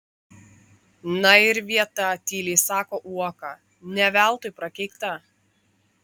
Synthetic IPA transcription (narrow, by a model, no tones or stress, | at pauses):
nɐɪɾʋʲiɛt̪ɐt̪ʲiːlʲeːsɑːkoːʔuɔkɐ | nʲɛʋʲæˑlˠt̪ʊpɾɐkʲɛɪkt̪ɐ